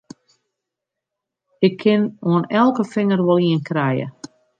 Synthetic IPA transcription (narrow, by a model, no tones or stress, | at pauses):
ɪkʰːɪnoənɛlˠkəfɪŋərʋɔlˠiənkrɛjə̰